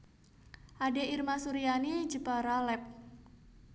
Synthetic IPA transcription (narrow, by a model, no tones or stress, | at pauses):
ʔadeirmasuɾianid͡ʒəpaɾalɛp̚